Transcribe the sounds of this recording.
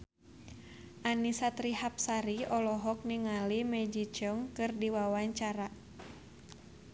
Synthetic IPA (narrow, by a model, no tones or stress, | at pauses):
ʔanisat̪ɾihap̚saɾiɔlɔɦɔk̚niŋalimɛd͡ʒit͡ʃɔŋkɨrdiwawaɲt͡ʃaɾa